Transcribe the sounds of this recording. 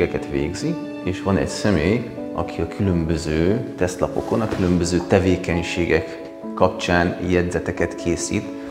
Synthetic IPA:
ɡɛkɛt̪ʋḛːɡzi | eːʃʋɒnɛ̰csɛmeːj | ɒ̰kʰiɒkʰylømbø̞zøːt̪ɛst̪lɒpo̞̰ko̞nɒkylø̞mbø̞zøːt̪ɛveːkɛɲʃeːɡɛkː | ɒp̚t͡ʃaːnjɛd̪zɛt̪ɛkɛt̪kʰeːsḭːt̪

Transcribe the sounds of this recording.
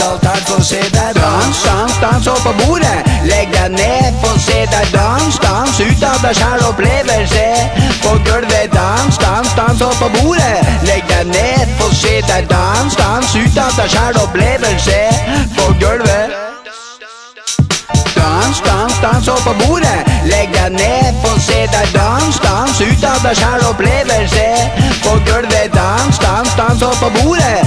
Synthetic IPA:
d̪nst̪ɑnst̪ɑnsɔpːɔbuːɾəlɛɡ̚d̪əneːɾpɔseːd̪æd̪ɑnst̪ɑnsʉːt̪ɑd̪əɕæːɽɔpleːʋəlsəpɔɡœɽʋəd̪ɑnst̪ɑnst̪ɑnspːɔbuːɾəlɛɡ̚d̪ɛneːɾpɔseːd̪əd̪ɑnst̪ɑnsʉːt̪ɑd̪əɕæːɽɔpleːʋəlsəfɔɡœɽʋə | d̪̥ɑnst̪ɑnst̪ɑnsɔpːɔbuːɾəlɛɡ̚d̪æneːpʰɔseːd̪æɾd̪ɑnst̪ɑnsʉːt̪ɑd̪ɑɕæːɽɔp̪eːʋəlsəfɔɡœɽʋed̪ɑnst̪ɑnst̪ɑnsɔpːɔbuːɾə

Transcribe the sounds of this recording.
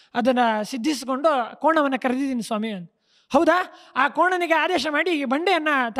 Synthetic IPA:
ɐd̪ɐnːɐsid̪ʱːis̬iko̞ɳɖukoːɳɐʋɐnːɐkɐɾed̪id̪iːnisʋaːmiɐn | hɐwd̪aː | aːkoːɳɐniɡeaːd̪ɛːʃɐmaːɽibɐɳɖejɐnːɐt̪

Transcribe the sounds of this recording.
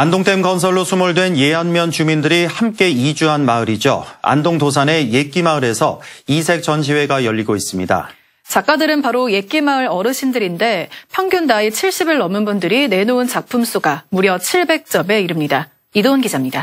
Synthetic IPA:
andoŋt͈e̞mɡʌnsʰʌɭːosʰumuɭdwe̞nje̞ɦanmjʌnt͡ɕumindɯɾihamk͈e̞id͡ʑuɦanmaɯɾid͡ʑo̰a̰ndoŋdos̬ʰane̞je̞k͈imaɯɾe̞sʰʌisʰe̞k̚t͡ɕ͈ʌnɕ̬ʰiwe̞ɡajʌʎːiɡois͈ɯmɲida̰ | t͡ɕak͈adɯɾɯnpaɾoje̞k͈imaɯɾʌɾɯɕʰindɯɾinde̞pʰjʌŋɡjundaet͡ɕʰiɭɕ͈ibiɭnʌmɯnbundɯɾine̞noɯnt͡ɕak̚pʰums͈uɡamuɾjʌt͡ɕʰiɭbe̞k̚t͡ɕ͈ʌme̞iɾɯmɲida | idonɡid͡ʑamɲida

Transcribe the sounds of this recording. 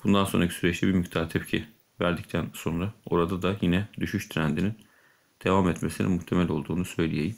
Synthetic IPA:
b̥und̪anso̞nɾacʰi̥syɾɛt͡ʃlʰʲɛbiɾmyct̪ʰaɾt̪ʰɛpcʰi | væɾd̪ict̪ʰænso̞nɾao̞ɾad̪ad̪ajinɛd̪yʃyʃt̪ʰɾænd̪inin | d̪̥e̞vamɛt̪me̞sinḭnmuht̪ʰe̞mælʲo̞lˠd̪uːnusø̞jlʲijejim

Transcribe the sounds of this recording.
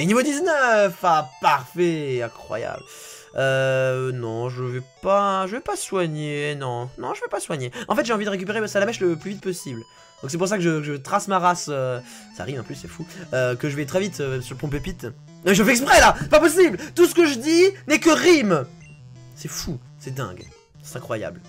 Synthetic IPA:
enivod̪iznœfapaʁfɛeɛ̃kχwa̰ja̰bl | ønɔ̃ʒəvɛpaʒəvɛpaswaɲenɔ̃nɔ̃ʒəvɛpaswaɲeɑ̃fɛt̪ʒeɑ̃vid̪əʁek̬ʲyp̬eʁesalamɛʃləplyvit̪̚pɔsibl | d̪̥ɔ̃ksɛp̬uʁs̬akəʒəkəʒət̪χasmaʁasø | sa̰ʁimɑ̃pysːɛfuøkəʒəvɛt̪χɛvit̪ømɛsyʁpɔ̃p̬epit̪ | ɔ̃mɛʒfɛɛks̬pχɛlasɛpapɔsiblt̪usə̥kəʒəd̪inɛkəʁim | sɛfu | sɛd̪ɛ̰̃ɡ | sɛ̥t̪ɛ̃kχwaja̰bl

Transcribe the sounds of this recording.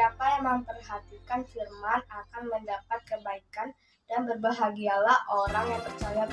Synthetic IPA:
apajaŋməŋpərhat̪ikanfirmanakanməndapat̪̚kəbaikan | danbərbaɦaɡialahʔoɾaŋjaŋpərt͡ʃaja

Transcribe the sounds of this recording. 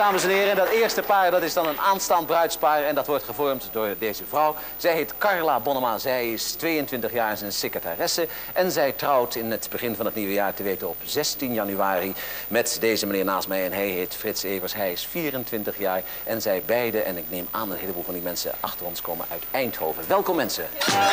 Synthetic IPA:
daːməsɛnɦɪːrəɛndɑtɪːɹstəpaːɹdɑtɪzdɑnənaːnstɑnt̚brœɥtspaːɹɛndɑtʋɔɹtχəvɔɹmtdʊːɹdejzəvrɔw | z̥ɛjɦejtkɑɹlaːbɔnəmaːzɛjɪstʋejəntʋɪntəχjaːɹzɛjnsekataːrɪsəʔɛnzɛjtrɔwtɪnətbəχɪnvɑnɦətniʋəjaːɹtəʋejtənɔpzɛstinjɑnyʋaːrimɛtdeːjzəmanɪːɹnaːstmɛjɛnɦɛjɦetfrɪtsejvəɹsɦɛjɪsfiːrəntʋɪntəχjaːɹ | ʔɛnzɛjbɛjdəʔɛ̰nɪknejmaːnənɦejləbuːlˠvɑndimɛnsə̰ʔɑ̰χtərɔnskoːmə̰nœ̰ɥtɛjnthowvəʋɛlˠkɔmɛnsə

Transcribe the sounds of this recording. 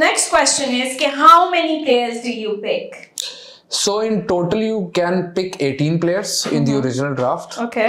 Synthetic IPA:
nɛksʈkwɛst͡ʃə̃nɪzkeɦaʊmɛnipleːəɾzdujuːpɪk | soːɪ̃nʈoːʈəljuːkɛ̃npɪkeːʈĩːnpleːəɾzɪ̰̃nd̪iɔɾɪd͡ʒɪnəlɖɾaːfʈoːke

